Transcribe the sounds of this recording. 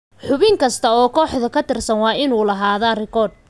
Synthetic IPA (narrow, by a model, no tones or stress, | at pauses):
ħʊβɪŋkʰɐst̪ʰɐɔːkʰɔːħðɐkʰɐt̪ɪrsɐnwɑːɪnuːlɐɦaːðɐrɪkʰɔːd̪̚